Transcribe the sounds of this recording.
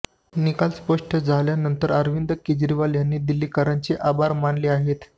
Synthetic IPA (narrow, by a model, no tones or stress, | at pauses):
nikalspəʂʈʰəd͡zʱaljanənt̪əɾəɾʋind̪əked͡ʑɾiʋaljanːiːd̪ilːiːkəɾaɲt͡ɕeʔabaɾmaɳliːaɦet̪